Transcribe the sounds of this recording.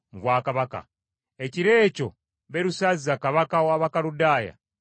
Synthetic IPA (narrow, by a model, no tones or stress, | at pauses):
vwaːkaβaka̰ | eciɾe̞ːco̞ | βeɾusazzakaβakawaːβakaludaːja̰